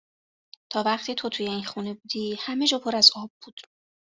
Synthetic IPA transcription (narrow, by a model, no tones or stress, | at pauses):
t̪ʰɒːvæqt̪ʰiːt̪ʰo̞t̪ʰuːje̞inxune̞bud̪̥iːhæme̞d͡ʒɒːpʰo̞ɾæzɒːbːuːd̪̥